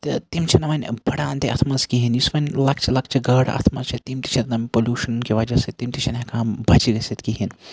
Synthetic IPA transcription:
t̪t̪imt͡ʃʰɐnɐʋɐnʲbʱɐɽaːnt̪iʔɐt̪ʰmɐzkiɦinjusʋɐnʲlɐkʰt͡ʃʰɐlɐkt͡ʃʰɐɡɐɽɐ̰t̪ʰmɐzt͡ʃʰɐt̪imt̪i̥t͡ʃʰɐt̪nɐmʲpolʲjuːʃɐnkiʋɐd͡ʒɐset̪imt̪it͡ʃʰɐnɦɐkaːmbʱɐd͡ʒiɡɐsit̪kiɦin

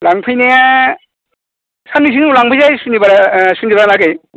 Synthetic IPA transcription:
laŋpʰɯjnija | sanis̬iŋulaŋpʰɯjzajsunibaɾasundibaɾanaɡej

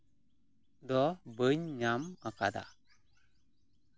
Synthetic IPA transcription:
d̪ɔbəɲɲamaka̰d̪a̰

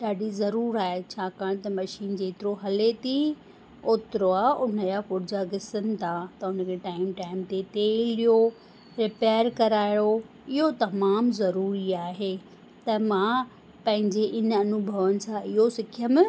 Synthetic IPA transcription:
ɖaːɖizɐɾuːɾaːɦet͡ɕʰaːkaːɽ̃t̪ɐmɐʃiːnd͡ʑeːt̪ɪɾoɦɐlet̪ʰi | oːt̪ɪɾoaːʊnəjakʊɾɪd͡ʑaɡɪsən̆t̪ʰat̪ɐʊnəkʰeːʈaːɪmʈaːɪmt̪et̪eːlijo | ɾɪpeːəɾkɐɾaːɪɽo | ɪɦot̪ɐmaːmzɐɾuːɾiaːɦeː | t̪ɐmã | pɐ̃ɦɪ̃ɲd͡ʑeʔɪnɐnʊbʱəʋənɪ̆sãʔɪɦosɪkʰijəmɪ̃̆

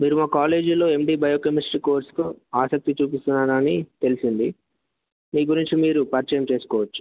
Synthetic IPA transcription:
miːɾumaːkaːle̞ːd͡ʒlo̞ːe̞mɖiːbɐjoːkɐminɐsʈiːko̞ːɾskuaːsɐk̚t̪it͡ʃuːpist̪unːaːnɐnit̪e̞lisind̪i | miːɡuɾiɲt͡ʃimiːɾupɐɾt͡ʃɐjɐmt͡ʃe̞ːsu̥kɔːʋɐt͡ʃːu̥

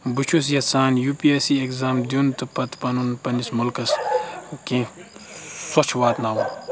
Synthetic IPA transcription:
but͡ʃʰus̬jɐsaːnjupiesiːekzaːmd̪ijunt̪ɨpɐt̪pɐnunpɐnismʊlkɐskẽː | sot͡ʃʰʋaːt̪naːʋɐ

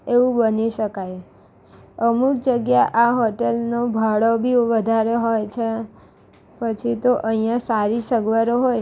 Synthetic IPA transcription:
eʋũbəniʃəkaj | əmuɾd͡ʒəɡjaʔaɦɔʈelnobʱaɽobʱiʋəd̪ʱaɾeɦojt͡ʃʰe | pət͡ʃʰit̪oʔəɦĩjãsaɾisəɡʋaɾoɦoj

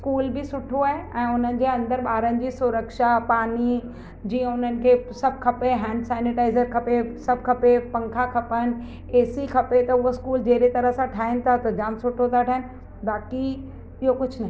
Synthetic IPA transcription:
skuːlbɪsʊʈʰoaːɦeɛ̃ːʊn̤ənɪ̆d͡ʑeːɐ̃nd̪əɾɓaːɾənɪ̆d͡ʑiːsʊɾəkʃapaːni | d͡ʑiːə̃ʊn̤ənɪ̆kʰeːsɐb̚ʱkʰɐpeɦɛ̃ːɳɖsaːnɪʈaːɪzəɾkʰɐpesɐb̚ʱkʰɐpepɐ̃ŋkʰakʰɐpən̆ | eːsikʰɐpet̪ɐʊɦoskuːld͡ʑeɦɪɾet̪ɐɾəɦsãʈʰaːɦɪnɪ̆t̪ʰat̪ɐd͡ʑaːmsʊʈʰõt̪ʰaʈʰaːɦɪnɪ̆ | baːki | ɪɦokʊd͡ʑʱnɐɦ

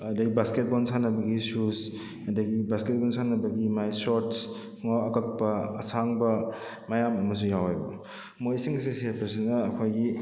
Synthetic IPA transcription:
ɐdɐɡibasket̚bɔnsʰanɐbɐɡisuz | ɐdɐɡibasket̚bɔnsanɐbɐɡimajsɔɾts | ŋawɐkɐk̚pɐːsʰaŋbɐ | majamɐmɐs̬uŋjawajbɔ | mojsiŋs̬estpɐs̬inɐːkʰojɡi

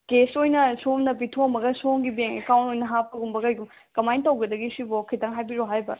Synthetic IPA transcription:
kesojnɐsoŋnɐp̬itʰoɐmɐɡɐsoŋɡibeŋekaw̃ntojnɐɦapːɐɡumbɐɡajɡum | kɐmajntawɡɐdɐɡisibokʰitaŋɦajbiɾoɦajbɐ

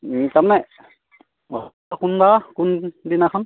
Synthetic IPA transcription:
t̪amanɛ | akund̪akund̪inakʰɔn

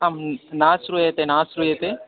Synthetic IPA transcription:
amnaːsɾuet̪enaːsɾuet̪e

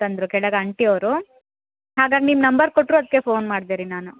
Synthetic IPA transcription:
t̪ɐnd̪ɾukeːɭaɡɐɳʈiɐʋɾu | ɦaːɡaːɡiniːʋnɐmbɐɾkoʈːɾuɐd̪ɐkːepoːnmaːɽd̪eːɾinaːnu

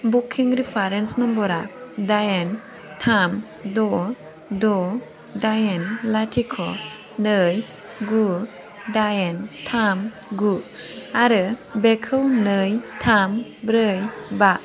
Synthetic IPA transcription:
bukʰːiŋɾipʰaɾensnɔmbɔɾadajen | tʰam | dɔ | dɔ | dajenlatʰikʰɔ | nɯj | ɡu | dajentʰam | ɡuaɾɯbekʰɯwnɯjtʰambɾɯjbaʔ

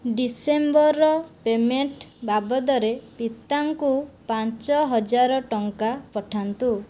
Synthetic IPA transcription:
ɖisembɔɾɔpemeɳʈbabɔd̪ɔɾepit̪aŋkupant͡ʃɔɦɔd͡ʒaɾɔʈɔŋkapɔʈʰant̪u

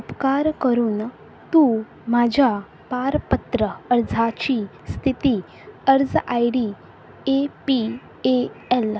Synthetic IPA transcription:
upkaɾkəɾuːn | t̪ũ | mad͡ʑʱa | paɾpət̪ɾəəɾd͡zʱat͡ɕi | st̪ʰit̪iː | əɾd͡zajɽi | epi | eel

